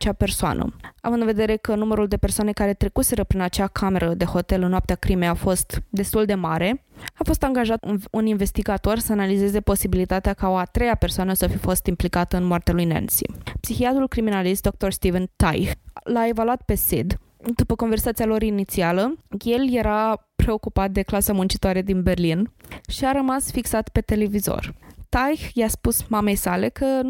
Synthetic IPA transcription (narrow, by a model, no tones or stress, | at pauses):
t͡ʃape̞rsoa̰nʔə̰a̰vɨnd̪ɨnve̞d̪e̞ɾe̞kənuməɾuld̪e̞pe̞rsoane̞kaɾe̞t̪ɾe̞kuse̞ɾəpɾinat͡ʃakʰame̞ɾəd̪e̞ho̞t̪e̞lɨnnːoap̚t̪eakɾime̞jafo̞st̪d̪e̞st̪uld̪e̞maɾe̞afo̞st̪aŋɡaʒat̪uninve̞st̪iɡat̪o̞rsəanalize̞ze̞po̞sibilit̪at̪eakao̞at̪ɾe̞jape̞rsoanəsəfifo̞st̪implikat̪əɨnmoart̪ealujnḛnsḭpsixiat̪ɾulkɾiminalist̪d̪o̞k̚t̪o̞rst̪ivənt̪a̰jxlae̞valuat̪̚pe̞sḛd̪ | d̪upəko̞nversat̪sialo̞ɾinit̪sialəje̞lje̞ɾapɾe̞o̞kupat̪̚d̪e̞klasamunt͡ʃit̪oaɾe̞d̪inbe̞rlinʃiaɾəmasfiksat̪pe̞t̪e̞le̞vizo̞̰rt̪ajxjaspusmame̞jsale̞kʰə